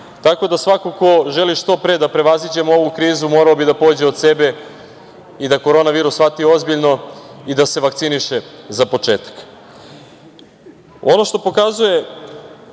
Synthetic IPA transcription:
t̪ako̞d̪asʋakoko̞ʒe̞liʃt̪o̞pɾe̞d̪apɾe̞ʋazid͡ʑe̞moo̞ʋukɾiːzumo̞ːɾaobid̪apo̞d͡ʑeod̪se̞be̞ | id̪ako̞ɾo̞ːnaʋiːɾusfat̪io̞zbiʎno̞id̪ase̞ʋak̚tsiniʃezapo̞t͡ʃe̞ːt̪ḁk | o̞no̞ʃt̪o̞po̞kazuje̞

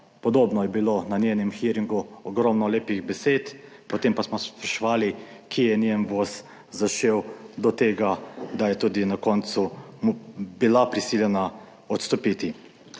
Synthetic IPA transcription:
pɔd̪oːbnɔjɛbilonanʲjeːnɛmxiɾiŋɡuɔɡɾɔmnɔleːpiɣbɛseːt̪pɔt̪empasmɔspɾɛʃɔʋaːlikʰijɛnenʋos | zaʃewd̪ɔt̪eːɡad̪ajɛt̪uːd̪inakɔnt̪su | bilapɾisiljɛna | ɔt̪st̪ɔpit̪i

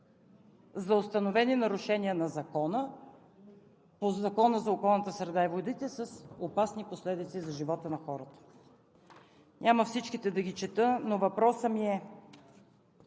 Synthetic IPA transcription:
zɐost̪ɐnovɛninɐɾʊʃɛniənɐzɐkɔnə | pozɐkɔnəzɐokɔlˠnət̪əsɾɛd̪aɛvod̪it̪ɛsəsopasniposlɛd̪it̪sizɐʒivɔt̪ənɐxɔɾət̪ə̥ | nʲʔaməfsit͡ʃkit̪ɛd̪ɐɡit͡ʃɛt̪ɤnovɐpɾɔsəmiɛ

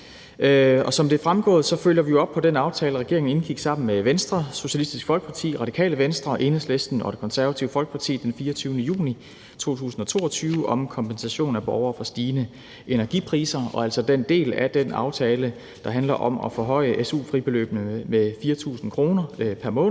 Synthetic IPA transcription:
ɒ̽sɒ̽md̥e̝æfʁamɡ̥ɔ̰̽ːð̩ˠsɒ̽føljɐʋijo̝ɒ̽b̥̚pʰɒ̽d̥enɑ̈ʊt͡sʰɛːləʁɛɡ̥e̝̰ɐeŋn̩e̝nɡ̥iɡ̥sɑ̈m̰n̩meʋensd̥ʁɐso̝ɕælisd̥isɡ̥fɒlɡ̥əpʰɑ̈t͡sʰḭːʁɑ̈d̥ikʰɛ̰ːləʋensd̥ʁɐʔe̝nhˠslesd̥n̩ɒ̽d̥e̝kʰɒ̽nsæɐʋæt͡sʰḭʊfɒ̽lɡ̥ə̥pʰɑ̈t͡sʰḭːd̥enfiːɐɒt͡sʰyːʊnəjṵːni | t͡sʰo̝̰ːt͡sʰṵːsn̩ɒ̽t͡sʰo̝̰ːɒt͡sʰyːʊəʔɒ̽mkʰɒ̽mpensæɕo̝̰ːn̩æb̥ɒʊɐːfɒ̽sd̥iːnə | e̝næɐɡ̥ipʰʁḭːsɐɒ̽æl̰sɒ̽d̥end̥e̝̰ːlæd̥enɑ̈ʊt͡sʰɛːlə | d̥ɑ̈ɦænlɐʔɒ̽mɒ̽fɔɦɒ̽ɪ̰əʔesṵːfʁib̥e̝lø̰ːb̥nəmefiːɐt͡sʰṵːsn̩kʰʁo̝ːnɐpʰæɐmɔ̽ːn̩

